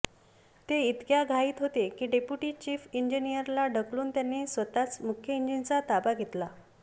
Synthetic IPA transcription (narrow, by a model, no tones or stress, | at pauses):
t̪eit̪kjaɡʱaiːt̪ɦot̪ekiːɖepjuʈiːt͡ɕiːfiɲd͡ʑinijəɾlaɖʱəkluːnt̪janːiːsʋət̪at͡smukʰjəiɲd͡ʑint͡sat̪abaɡʱet̪la